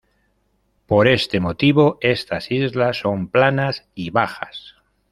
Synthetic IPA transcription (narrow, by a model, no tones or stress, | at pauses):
po̞ɾe̞st̪e̞mo̞t̪iβ̞o̞ʔe̞st̪asizlasːo̞mplanasiβaxa̰s